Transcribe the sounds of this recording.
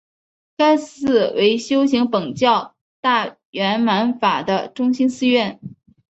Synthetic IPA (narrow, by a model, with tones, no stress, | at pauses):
ka˥ɪsɹ̩˥˩wʔe˧˥ɪɕjo˥ʊɕi˧˥ŋpɤ˨˩ŋt͡ɕjɑ˥˧ʊ | t̪a˥˩ | ɥɛ˧˥nma˧˥nfa˨˩d̪ə˦ʈ͡ʂʊ˥ŋɕi˥nsɹ̩˥˧ɥɛ˥˩n